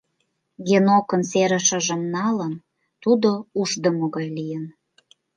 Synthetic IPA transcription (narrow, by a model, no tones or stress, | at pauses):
ɡenokə̆nseɾə̆ʃə̆ʒə̆mnɑlən | t̪ud̪ouʒd̪əmoɣɑjlijən